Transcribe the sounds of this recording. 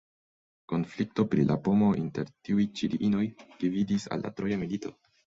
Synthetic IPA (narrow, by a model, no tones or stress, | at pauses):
ko̞nflik̚to̞pɾilʔa̰po̞mo̞ʔinteɾtiujt͡ʃiɾiʔino̞jd̥ividisa̰lːa̰tɾo̞jamilito̞̰